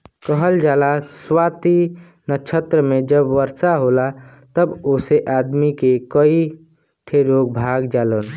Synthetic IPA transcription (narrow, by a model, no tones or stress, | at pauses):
kəɦəld͡ʒaːlaswaːt̪i | nət͡ʃʰət̪ɾəmẽd͡ʒəbʋəɾsaɦoːla | t̪əboːseʔaːd̪mikekəi | ʈʰeɾoːɡ̚bʱaːɡd͡ʒaːlən